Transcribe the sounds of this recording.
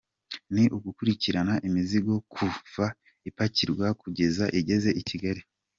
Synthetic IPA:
niʔuɡukuɾiciɾanaʔimiziɡo̞kʰuva | ipaciɾɡwakuɟe̞zaʔiɟe̞ze̞ʔiciɡaɾi

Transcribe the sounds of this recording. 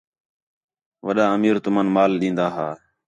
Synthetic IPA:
ʋəɗaːəmiːɾt̪ʊmənmaːlɗĩːnd̪aːɦaː

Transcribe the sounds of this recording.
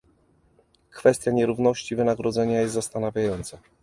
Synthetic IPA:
kfɛst̪ʲjaɲɛɾuvnɔɕt͡ɕivɘnaɡɾɔd̪zɛɲajɛst̪ːast̪anavʲjajɔnt̪sa

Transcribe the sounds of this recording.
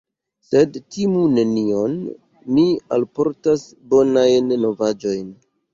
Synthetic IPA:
se̞dtimune̞nionː | ialpo̞ɾtas | bo̞najnːo̞vad͡ʒo̞jn

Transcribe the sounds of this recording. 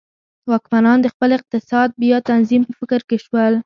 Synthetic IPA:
wɑkmanɑnd̪əxpəlɪq̚t̪ɪsɑd̪̚bjɑt̪anzimpəfɪkɾkeʃwəl

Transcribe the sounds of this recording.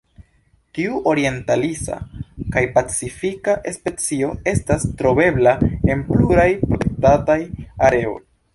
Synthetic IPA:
tiuʔo̞ɾie̞ntalisa̰kajpat͡sifikaʔe̞spe̞t͡sio̞e̞stastɾo̞be̞blae̞npluɾajpɾo̞te̞k̚tatajaɾe̞o̞̰j

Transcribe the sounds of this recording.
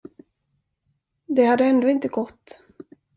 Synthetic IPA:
d̪ɛhad̪ːəɛnd̪oːɪnt̪əɡɔt̪ː

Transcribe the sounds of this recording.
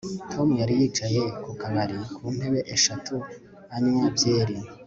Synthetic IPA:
tʰo̞mujaɾijiːt͡ʃaje̞kukaβaɾikʰuːn̥e̞βe̞ʔeʃatʰu | aɲumavjeːɾina

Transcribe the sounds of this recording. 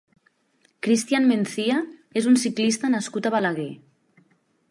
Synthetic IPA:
kɾist̪ianmenθiaezunsiklist̪ənəskut̪aβalaɣ̞e

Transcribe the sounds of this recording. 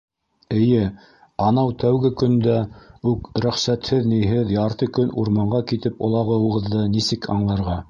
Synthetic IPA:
ɘ̆jɘ | ɑnɑwt̪ʰæwɡɘkɵ̆nd̪æʉkɾæχsæt̪hɘðnijɦɘðjɑɾt̪ɤkɵnuɾmɑɴɢɑkit̪ɘpŏlˠɑʁɤuʁɤ̆ðːɤnisɘkʰɑ̰ɴlˠɑɾʁɑ

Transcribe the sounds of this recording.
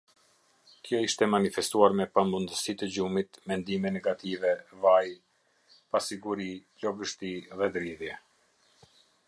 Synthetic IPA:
kjɔiʃt̪ɛmanifɛst̪uaɾmɛpamund̪əsit̪əd͡ʑumit̪mɛnd̪imɛnɛɡat̪ivɛvaj | pasiɡuɾicɔvəʃt̪iðɛd̪ɾiðjɛ

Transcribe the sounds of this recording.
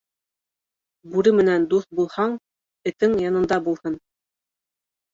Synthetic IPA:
bʉɾɘmɘ̆nænd̪uθbulˠhɑɴ | ɘ̆t̪ɘŋjɑnɤ̆nd̪ɑbulˠhɤn

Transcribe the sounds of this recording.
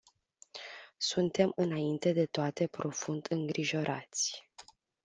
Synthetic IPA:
sunt̪e̞mɨnaint̪e̞d̪e̞t̪oat̪e̞pɾo̞fund̪ɨŋɡɾiʒo̞ɾʔa̰t̪sʲ

